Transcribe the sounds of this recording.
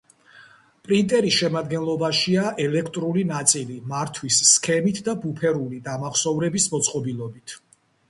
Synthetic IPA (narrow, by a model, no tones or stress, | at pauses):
pʼɾint̪ʼɛɾisʃɛmad̪ɡɛnlˠɔbaʃiaʔɛlɛkʰt̪ʼɾulinat̪sʼilimaɾt̪ʰwisːkʰɛmit̪ʰd̪abupʰɛɾulid̪amaχsɔvɾɛbismɔt̪sʼqʼɔbilˠɔbit̪ʰ